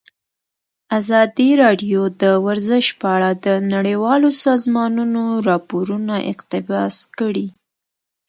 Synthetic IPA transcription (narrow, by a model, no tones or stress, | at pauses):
azɑd̪iɾɑɖijod̪əwaɾzəʃpəaɽad̪ənaɽəwɑlosɑzmɑnunoɾɑpoɾunaʔɪ̰qt̪ɪbɑskəɽi